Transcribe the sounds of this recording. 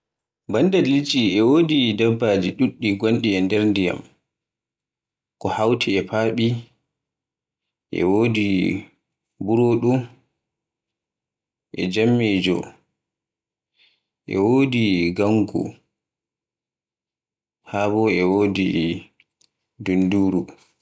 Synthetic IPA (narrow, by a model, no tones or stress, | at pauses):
bandadlit͡ʃʼiɛwoːdidabːaːd͡ʒiɗuɗːiɡonɗiɛndɛɾndija̰m | kɔhawtʰiɛpaːɓi | ʔɛ̰woːdi | buɾoːɗu | ʔɛ̰d͡ʒamːeːd͡ʒɔ̰ | ʔɛ̰woːdiɡaŋɡṵ | habɔɛwoːdi | dunduːɾu